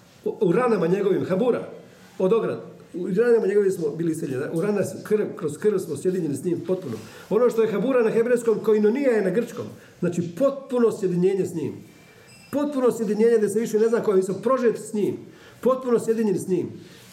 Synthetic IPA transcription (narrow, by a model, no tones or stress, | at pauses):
uɾanamaɲe̞ɡo̞ʋimxabuːɾa̰ | od̪o̞ɡɾa̰d̪ | uɾanamaɲe̞ɡo̞ʋimsmobiːlisiʎenaʔuɾanaskr̩ʋkɾoskr̩ʋsmosje̞d̪iɲenisɲiːmpo̞t̪̚puno̞̰o̞noʃt̪o̞je̞xabuːɾanaxe̞bɾejsko̞mkoinonijajenaɡr̩t͡ʃko̞̰ːm | znaːt͡ʃipo̞t̪̚puno̞sje̞d̪iɲeːɲesɲḭːm | po̞t̪̚puno̞sje̞d̪iɲeːɲed̪aiseʋiʃene̞znako̞jeʋisopɾo̞ʒet̪sɲiːm | po̞t̪̚puno̞sje̞d̪iɲenisɲiːm